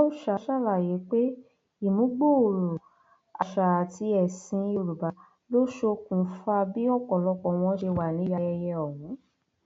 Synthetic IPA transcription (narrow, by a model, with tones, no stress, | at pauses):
a˦u˦˨ʃa˨˧˦ʃa˦˨la˦˨je˨˦k͡pe˦ | i˦˨mũ˨˦ɡ͡bo˦o˨ɾo˨ | a˨ʃa˨a˨ti˧˦ɛ˨sĩ˧i˧˨ɾu˨ba˨˦ | lo˦ʃo˧kũ˨˦fa˧bi˦ɔ˦˨kɔ̃˨lɔ˧˦kɔ̃˨w̃ɔ̃˧˦ʃe˧wa˨nĩ˨˦ja˧ɛ˧jɛ˧ɔ˨wũ˨˦